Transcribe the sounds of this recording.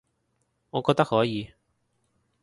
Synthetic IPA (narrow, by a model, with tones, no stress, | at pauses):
ŋɔː˨˧kɔː˧k̚t̪k̚hɔː˨˥jiː˨˧